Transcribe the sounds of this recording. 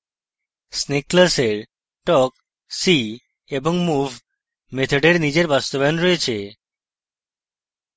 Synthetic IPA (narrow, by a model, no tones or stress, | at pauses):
sneklaseɾ | ʈɔk | si | eboŋmuvʱ | met̪ʰoɖeɾnid͡ʑeɾbast̪obaonɾɔet͡ɕʰe